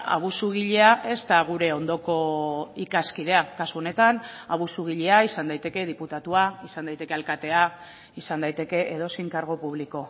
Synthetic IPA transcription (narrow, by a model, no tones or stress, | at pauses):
a̰β̞usuɣ̞iʎe̞aʔe̞st̪aɣ̞uɾe̞o̞nd̪o̞ko̞ikaskið̞e̞akasuo̞ne̞t̪anaβusuɣ̞iʎe̞aisand̪ajt̪e̞ke̞ð̞iput̪at̪uaisand̪ajt̪e̞kealkat̪e̞a | isand̪ajt̪e̞ke̞ʔeð̞o̞siŋkaɾɣ̞o̞puβliko̞